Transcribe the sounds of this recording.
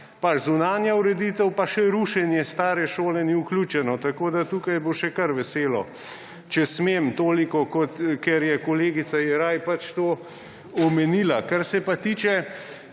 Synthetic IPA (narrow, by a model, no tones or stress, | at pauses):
pat͡ʃzunaːnjauɾɛd̪it̪ɛwpaʃɛɾuʃɛnjɛst̪aːɾɛʃoːlɛniuklut͡ʃɛnɔt̪akoːd̪at̪ukajboʃɛkɐɾʋɛseːlɔ̰ | t͡ʃɛsmeːmt̪oːlikɔkɔt̪kɛɾjɛkɔleːɡisaiɾajpat͡ʃt̪oː | ɔmɛniːlakaɾsɛpat̪iːt͡ʃɛ